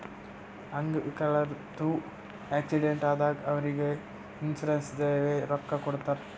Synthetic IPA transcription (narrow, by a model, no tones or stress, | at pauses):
ɐŋɡkɐɭɐɾd̪uː | eːksiɖeɳʈaːd̪aːɡɐʋɐɾiɡe | insɐɾensd̪eːʋeɾɔkːɐkɔɽt̪aːɾ